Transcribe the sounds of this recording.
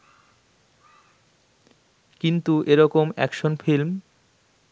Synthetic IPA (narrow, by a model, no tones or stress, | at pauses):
kint̪uʔeɾɔkomɛ̰kʃonfʰilm